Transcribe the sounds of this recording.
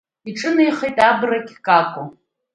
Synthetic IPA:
iʈ͡ʂʼɨnajχejtʼabrakʲkʼakʷʰʼʊ

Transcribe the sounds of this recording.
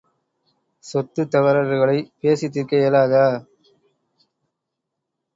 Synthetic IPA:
sɔt̪ːɯt̪ːɐʋɐɾɐɾɣɐɭɐɪpeːsɪt̪ːɪɾkɐjɐlaːðɐ

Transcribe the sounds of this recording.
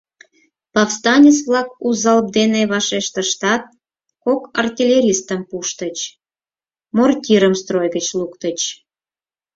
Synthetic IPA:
pɑfst̪ɑnʲet͡svlɑkuzɑlb̚d̪eneβɑʃeʃt̪ə̆ʃt̪ɑt̪̚ | kokɑrtʲilʲeɾʲist̪əmpuʃt̪ət͡ɕ | mortʲiɾəmst̪ɾrojɣət͡ɕlukt̪ət͡ɕ

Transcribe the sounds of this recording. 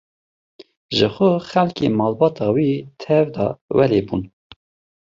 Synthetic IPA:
ʒəxʷʊxɛlkemɑːlbɑːt̪ɑːwit̪ʰɛvd̪ɑ̰wɛleːbṵn

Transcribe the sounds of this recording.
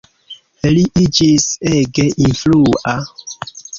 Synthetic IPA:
eliʔid͡ʒisɛɡɛʔinfluʔa

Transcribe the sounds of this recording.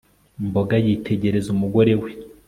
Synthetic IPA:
mbo̞ɡajiːtʰe̞ɟe̞ɾe̞zumuɡo̞ɾe̞we

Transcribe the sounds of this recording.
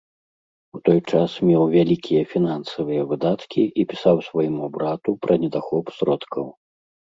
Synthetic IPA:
ut̪ɔjt͡ʂasmʲɛwvʲalʲikʲʰijɐfʲinansɐvɨjɐvɨd̪at̪kʲiʔipʲisawsvɐjimubɾat̪upɾʔɐnʲɛd̪axɔpsɾɔt̪kʰɐw

